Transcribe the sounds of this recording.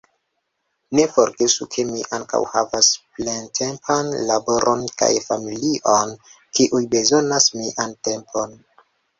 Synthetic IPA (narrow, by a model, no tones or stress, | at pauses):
ne̞fo̞ɾɡesukʰe̞miʔaŋka̰whavasplentʰe̞mpʰanlabo̞ɾʔonka̰jfamiliʔon | kiʔujbe̞zo̞nasmiʔante̞mpʰo̞n